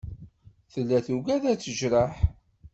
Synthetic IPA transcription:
θəlːæθuɡæðæt͡sːəʒɾəħ

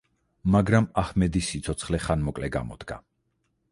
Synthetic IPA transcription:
maɡɾamahmɛd̪isːit̪sʰɔt̪sʰχlɛχanmɔkʼlɛɡa̰mɔ̰d̪̥ɡa̰

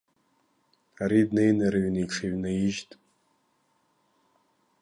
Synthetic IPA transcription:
aɾidnejnaɾɨɥniʂʰeɥnajiʒtʼ

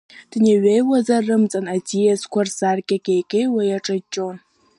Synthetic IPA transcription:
d̥ɨneɥejwɐzɐrɨmt͡sʼɐnatʰijɛskʷʰarsarkʲʼakʲʼejkʲʼejwajaʈ͡ʂʼɐt͡ʃʼon

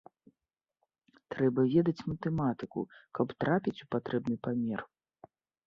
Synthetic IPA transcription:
t̪ɾɛbɐvʲɛd̪ɐt͡sʲmɐt̪ɛmat̪ɨkṵkɐpt̪ɾapʲit͡sʲupat̪ɾɛbnɨpamʲɛr

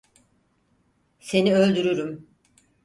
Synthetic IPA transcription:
se̞niø̞lʲd̪yɾyɾym

